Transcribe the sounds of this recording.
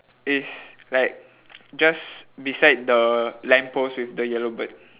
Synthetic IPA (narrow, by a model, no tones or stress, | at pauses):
islaɪk̚ | d͡ʒasbisaɪd̚dəlɛ̃mposwifdəjɛlobət̚